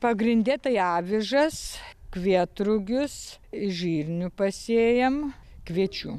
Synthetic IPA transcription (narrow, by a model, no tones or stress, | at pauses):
pɐɡɾʲɪnʲd̪ʲɛt̪ɐɪɑːʋʲɪʒɐskʋʲiɛt̪ɾʊɡʲʊsɪʒʲiːrʲnʲʊpɐsʲeːjɛmkʋʲiɛt͡ʃʲuː